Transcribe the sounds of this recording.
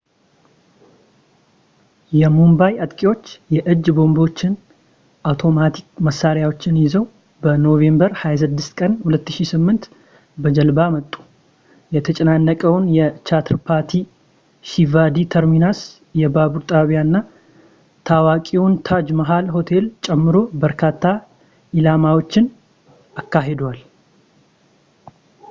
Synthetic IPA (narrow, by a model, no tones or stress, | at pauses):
jɛmumbajat̪ʼkʼiwo̞t͡ʃːjɛʔɨd͡ʒːbo̞mbo̞t͡ʃːɪn | ʔawt̪ʰo̞mat̪ʰik̚məsːaɾjawo̞t͡ʃːɪnjɪzəw | bəno̞ve̞mbəɾhajas̬ɨd̪ːɨst̪kʼənhulət̪ːɨʃisɨmːɨnt̪ | bəd͡ʒəlbamət̪ʼːu̥ | jɛt̪ʰət͡ʃʼɛnanːəkʼəwʊnjɛt͡ʃat̪ʰɾpʰaɾt̪ʰi | ʃivad̪it̪ʰəɾminas | jɛbabuɾt̪ʼaβjanːa | t̪ʰawakʼiwʊnt̪ʰad͡ʒmaɦalɦo̞t̪ʰe̞lt͡ʃʼɛmːɨɾo̞bəɾkʰat̪ʰːa | ʔilamawo̞t͡ʃːɪn | ʔakːaɦe̞d̪wal